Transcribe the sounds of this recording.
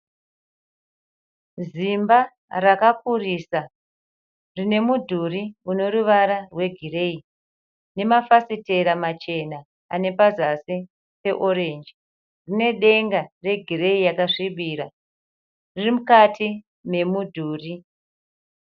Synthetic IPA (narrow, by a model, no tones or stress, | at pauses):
zimba | rakapurisa | rine̞mudʱuriuno̞ɾuʋaɾarwe̞ɡʱirei | ne̞mafasite̞ɾamat͡ʃe̞na | ane̞pazasi | pe̞ʔo̞ɾe̞nd͡ʒi | rine̞ɗe̞ŋɡare̞ɡʱire̞ijakaʂiɓiːɾa | ririmukatʰi | me̞mudʱuːri